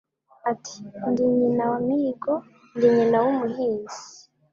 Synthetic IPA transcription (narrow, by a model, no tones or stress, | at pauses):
atʰi̥ndiɲinawamiɡo | ndiɲinawumuɦiːz̥i̥